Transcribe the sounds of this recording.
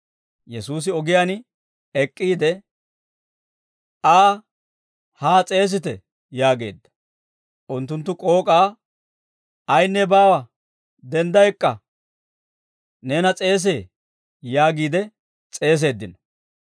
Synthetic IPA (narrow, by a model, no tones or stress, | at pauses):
jɛsuːs̬ɪɔɡɪjaːn | ɛkʼːiːd̪ɛ | aː | haːt͡sʼe̞ːs̬ɪt̪ɛ | jaːɡe̞̰ːd̪ːɐ̥ | ʔʊnt̪ːʊnt̪̬ːʊkʼo̞ːkʼaː | ɐjnːɛbaːwɐ | d̪ɛnd̪ɐjɛkʼːɐ | ne̞ːnɐt͡sʼe̞ːs̬eː | jaːɡiːd̪ɛ | t͡sʼe̞ːs̬e̞ːd̪ːɪnɔ